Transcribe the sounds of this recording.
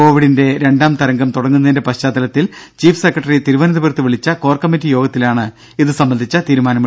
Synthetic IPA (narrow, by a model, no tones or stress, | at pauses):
o̞ːʋiɽinde̞ɾe̞ɳɖaːmt̪ɐɾɐŋɡɐmt̪uɽɐŋːunːɐðindepɐɕaːd̪ːɐlɐt̪ːilt͡ɕiːfsekːrɐʈːɐrit̪iɾuʋɐnɐðɐbirt̪ːɨʋiɭit͡ɕːɐko̞ːrkɐmːitːijo̞ːɡɐt̪ːilaːɳɨ | iðɨsɐmbɐnd̪ʱit͡ɕːɐt̪iːɾumaːnɐm